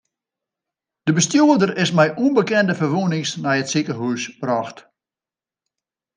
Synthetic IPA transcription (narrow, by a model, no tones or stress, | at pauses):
d̥əbəstjoːədərɪsmɛjʔunbəkɛndəfərʋunɪŋsnɛjətsikəɦyːsbrɔxt